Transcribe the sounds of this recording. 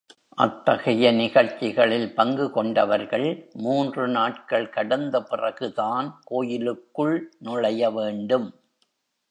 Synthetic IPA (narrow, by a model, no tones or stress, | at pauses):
ʔɐ̰t̪ːɐɣɐjɐnɪɣɐɻt͡ʃːɪɣɐɭɪlpɐŋɡɯkɔɳɖɐʋɐɾɣɐɭmuːndrɯnaːʈkɐɭkɐɽɐnd̪ɐpɪrɐɣɯðaːnkoːjɪlɯkːɯɭnʊɭɐjɐʋeːɳɖɯm